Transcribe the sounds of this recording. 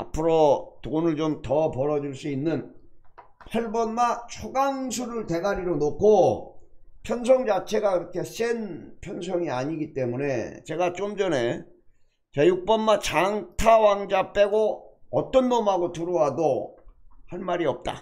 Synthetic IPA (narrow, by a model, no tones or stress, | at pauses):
a̰pʰɯɾotonɯɭt͡ɕomtʌpʌɾʌd͡ʑuɭs͈uinːɯn | hʌɭbʌnmat͡ɕʰoɡaŋsʰuɾɯɭte̞ɡaɾiɾonokʰo | pʰjʌns̬ʰʌŋd͡ʑat͡ɕʰe̞ɡaiɾʌkʰe̞s͈enpʰjʌns̬ʰʌŋiaɲiɡit͈e̞mune̞̰t͡ɕe̞ɡat͡ɕ͈omd͡ʑʌne̞ | t͡ɕejuk̚p͈ʌnmat͡ɕaŋtʰawaŋd͡ʑap͈e̞ɡoʌt͈ʌnːomaɡotuɾoɦado | hanmaɾiʌp̚t͈a̰